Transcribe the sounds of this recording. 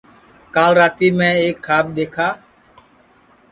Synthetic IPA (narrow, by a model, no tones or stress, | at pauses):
kaːlɾaːt̪iːmɛ̃ːeːkʰːaːb̚ɗ̪eːkʰaː